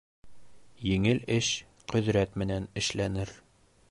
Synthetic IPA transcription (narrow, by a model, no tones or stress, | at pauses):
jɘ̆ŋɘlɘʃ | qɵ̆ðɾæt̪mɘ̆nænɘ̆ʃlænɘɾ